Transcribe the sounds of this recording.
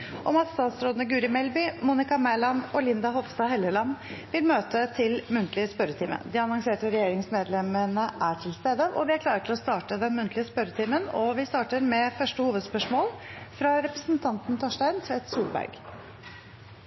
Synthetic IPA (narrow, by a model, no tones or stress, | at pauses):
ʔɔmɑt̪st̪ɑːt̪sɾoːd̪nəɡʉːɾɪmɛlbʏmuːnɪkɑmæɪlɑnɔlɪnd̪ɑɦɔʋst̪ɑhɛləlɑnʋɪlmøːt̪ʰət̪ʰɪlmʉnt̪ʰlɪəspœɾːət̪ʰiːmə̰d̪ɪɑnɔŋseːʈəɾɛjeːɾɪŋsmeːd̪lɛmənəʔæʈʰɪlst̪eːd̪əʔɔ̰ʋɪæɾkʰlɑːɾəʈɪlɔst̪ɑːʈəd̪ɛnmʉnt̪lɪəspœɾət̪ʰiːmənɔʋɪst̪ɑːʈəɾmɛfœʂʈəhuːʋəd̪spœʂmoːlfɾɑɾɛpɾəsnt̪ʰɑnt̪n̩t̪ʰoːʂʈæɪnsʋɛɪt̪suːlbæ̰ɾɡ